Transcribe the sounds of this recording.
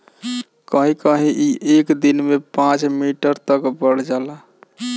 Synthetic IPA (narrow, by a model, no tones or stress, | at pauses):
kəɦĩkəɦĩʔiʔekd̪inmepãt͡ʃmiʈəɾt̪əkbəɽ̤d͡ʒala